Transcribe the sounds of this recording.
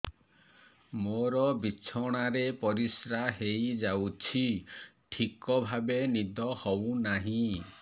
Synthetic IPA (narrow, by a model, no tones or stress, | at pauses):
moɾɔbit͡ʃʰɔɽ̃aɾepɔɾisɾaɦejd͡ʒawt͡ʃʰi | ʈʰikɔbʱabenid̪ɔhɔwnaɦĩ